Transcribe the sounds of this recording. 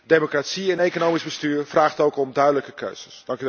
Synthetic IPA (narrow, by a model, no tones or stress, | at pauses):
demokratsiɛnejkonowmizbəstyːrfraːχtowkɔmdœɥdələkəkʰø̰ɥz̥əsd̥ɑŋk